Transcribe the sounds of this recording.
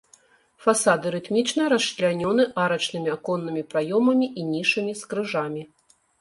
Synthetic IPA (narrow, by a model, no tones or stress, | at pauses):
fasad̪ɨɾɨt̪mʲit͡ʂnɐɾɐslʲanʲɔn̪ɨʔaɾɐt͡ʂnɨmʲiakɔnːɨmʲipɾajɔmɐmʲiʔinʲiʂɨmʲiskɾɨʐamʲi